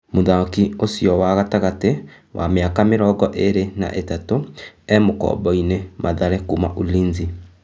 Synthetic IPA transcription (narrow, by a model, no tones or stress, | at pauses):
moðakiosiɔwaɣataɣate | wʔa̰meakameɾɔːɡɔʔeɾena̰ʔetatoɛmokɔ̰ːbɔinemaðaɾɛkuma̰ʔuliːnzi